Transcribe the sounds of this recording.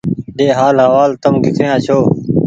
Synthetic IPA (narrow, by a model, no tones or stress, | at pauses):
ɗeːɦaːlɦəʋaːlt̪əmɡɪkʰɾjãːt͡ɕʰoː